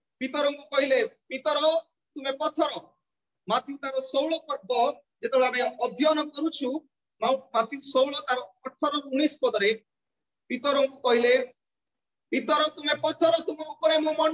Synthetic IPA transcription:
pit̪ɔɾɔŋkukɔɦilepit̪ɔɾɔ | t̪umepɔt̪ʰɔɾɔ | mat̪ʰjut̪aɾɔsowɭɔpɔɾbʱɔ | d͡ʒet̪ebeɭeameamɔd̪ʱjɔnɔkɔɾut͡ʃʰu | mãmat̪ʰjusowɭɔt̪aɾɔːʈʰɔɾɔɾuɽ̃ispɔd̪ɔɾe | pit̪ɔɾɔŋkukɔɦile | pit̪ɔɾɔt̪umepɔt̪ʰɔɾɔt̪umɔupɔɾemõmɔn

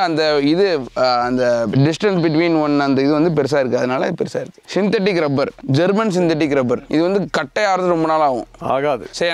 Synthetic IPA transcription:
ɐnd̪ɐɪðɯɐnd̪ɐɖɪsʈɐnsbɪʈ̬ʋiːnʋɐnɐnd̪ɐɪðɯʋɐnd̪ɯpɛɾɪs̬aːɪɾɯkːɯɐðɐnaːlɐɪðɯpɛɾsaːɪɾɯkːɯ̥sɪnt̪ɐʈ̬ːɪkːɾɐbɐɾd͡ʒɐɾmɐns̬ɪnt̪ɐʈ̬ːɪkːɾɐbɐɾɪðɯʋɐnd̪ɯkɐʈːɐjaːɾɐðɾɔmbɐnaːlaːʋʊ̰̃a̰ːɣaːðɯsɛjɐ

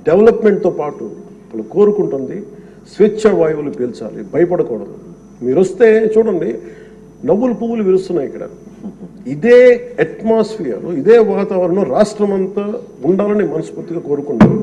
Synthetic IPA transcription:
ɖeʋɐlɐpmeɳʈ̚t̪oːpaːʈu | ɐlːɐko̞ːɾukuɳʈund̪i | sʋit͡ʃːɐʋaːjɐʋulupiːlt͡ʃa̰ːlḭbɐjɐpɐɽɐkɔːɽɐd̪ṵ | miːɾost̪e̞ːt͡ʃuːɽɐɳɖi | nɐʋːulɐpuːʋuluʋilust̪unːaːjikːɐɽɐ̰ | id̪eːeʈmaːspʰiːɾuid̪eːʋaːt̪aːʋɐɾɐoːɾaːʂʈɾɐmɐnt̪ɐ | uɳɖaːlɐnimɐnɐspuːɾt̪ːiɡaːko̞ːɾukuɳʈa̰ːɾu

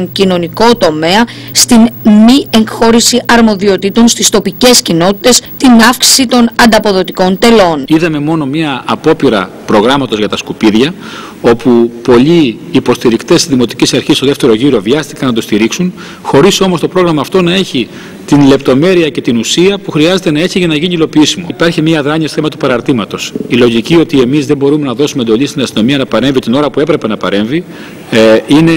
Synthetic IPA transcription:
ŋcino̞niko̞t̪o̞me̞ɐ | st̪inmie̞ŋxo̞ɾisiʔɐɾmo̞ðio̞t̪it̪o̞nst̪ist̪o̞pice̞scino̞t̪i̥t̪e̞st̪inɐfksi̥sit̪o̞nɐnd̪ɐpo̞ðo̞t̪iko̞nt̪e̞lo̞niðɐme̞mo̞no̞mɲɐːpo̞piɾɐ̰ | pɾo̞ɣɾɐmɐt̪o̞zʝɐt̪ɐskupiðʝɐ | o̞pupo̞ʎiː | po̞st̪iɾikt̪est̪izðimot̪i̥cisɐɾçist̪oðeft̪e̞ɾo̞ʝiɾo̞viɐst̪ikɐnɐt̪o̞st̪iɾiksun | xo̞ɾiso̞mo̞st̪o̞pɾo̞ɣɾɐmɐːft̪o̞nɐe̞çi | t̪inle̞pt̪o̞me̞ɾiɐce̞t̪inusiɐpuxɾiɐze̞t̪e̞nɐe̞çiʝɐnɐʝiɲilo̞piisimopɐɾçimɲiɐðɾɐɲiɐst̪oθemɐt̪upɐɾɐɾt̪imɐt̪o̞silo̞ʝicio̞t̪ie̞mizðe̞mbo̞ɾume̞nɐðo̞sumend̪o̞ʎist̪inɐst̪ino̞miɐnɐpɐɾe̞ɱvit̪ino̞ɾɐpue̞pɾe̞pe̞nɐpɐɾe̞ɱvi | ine̞

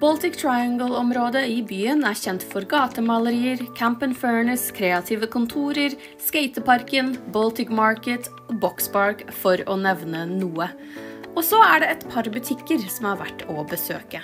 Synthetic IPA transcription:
b̥ɔlt̪ɪkt̪ʰɹaɪɑŋɡəl̩ɔmɾoːd̪əɪbyːənæɾçɛnt̪fɔɾɡɑːt̪əmɑləɾiːəɾkʰæmpənføːɳəskʰɾeːɑt̪ʰiːʋəkʊnt̪ʰuːɾəɾ | skeɪt̪əpɑɾkənbɔlt̪ɪkmɑɹkət̪ | bɔkspɑɹkfɔɾɔnɛʋnənuːə | ɔsɔæɖɛɛt̪pʰɑɾbʉt̪ʰɪkːəɾsɔmhɑːɾʋæ̰ʈːɔbəsø̰ːkə

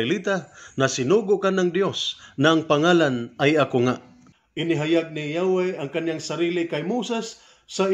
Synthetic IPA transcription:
ɪlit̪anasɪnuːɡʊʔkanaŋd̪josnaʔaŋpaŋaːlanajakoŋaʔ | ʔɪnɪɦajaɡ̚nijawajaŋkanjaŋsaɾiːlɪkajmuːsɛsː | a

